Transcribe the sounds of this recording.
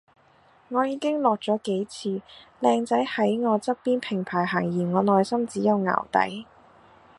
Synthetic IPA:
ŋɔː˨˧jiː˨˧kɪ˥ŋlɔː˨k̚t͡sɔː˨˥ke˨˥jt͡sʰiː˧lɛː˧ŋt͡sɐ˨˥jhɐ˨˥jŋɔː˨˧t͡sɐ˥k̚piː˥npʰɪ˨˩ŋpʰaː˨˩jɦaː˨˩ŋjiː˨˩nŋɔː˨˧nɔː˨˧jsɐ˥mt͡siː˨˥jɐ˨˧wŋa̰ː˨˩wt̪ɐ̰˨˥j

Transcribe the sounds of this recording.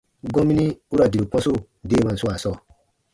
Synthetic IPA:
ɡɔ̃˦mĩ˦nĩ˦u˦ɾa˨di˨ɾu˨k͡pɔ̃˦so˦˨ | deː˦˨mã˨n̩˨su˦a˨sɔː˦˨

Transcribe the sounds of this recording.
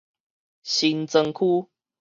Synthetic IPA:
ɕi˧˦nt͡sə˧ŋkʰu˦

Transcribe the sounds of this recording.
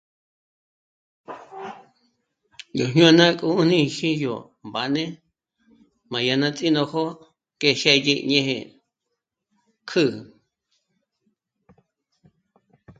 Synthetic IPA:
jo˨ɲɲũ˦a˧nã˦kʼu˦u˦nĩ˦˧ʃi˦jo̰˨ | mba˨nẽ˦ | mã˨ja˧nã˧t͡sʼĩ˦nõ˧ho˦ | ke˧˨ʃe˧ji˧ʔɲẽ˦˧hḛ̃˧ | kʰɨ˦˨

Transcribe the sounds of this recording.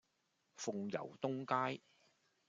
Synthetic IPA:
fʊ˧ŋjɐ̰˨˩wt̪ʊ˥ŋkaː˥j

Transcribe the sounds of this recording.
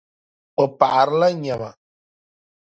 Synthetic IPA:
o˨pa˨ʔɾla˦ɲa˨ma̰˨

